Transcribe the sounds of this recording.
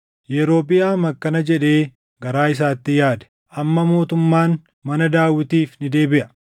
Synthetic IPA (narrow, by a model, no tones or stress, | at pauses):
jɛɾo̞ːpʼːɪjaːmɐkːɐnɐd͡ʒɛᶑe̞ː | ɡɐɾaːɪs̬aːt̪ːɪjaːd̪ɛ̥ | ʔɐmːɐmo̞ːt̪ʊmːaːn | mɐnɐd̪aːwːɪt̪iːfnɪd̪e̞ːbɪʔɐ̥